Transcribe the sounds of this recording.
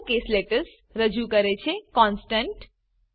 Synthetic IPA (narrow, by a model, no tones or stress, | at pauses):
kesleʈəɾs | ɾəd͡ʒukəɾet͡ʃʰekɔnsʈəɳʈ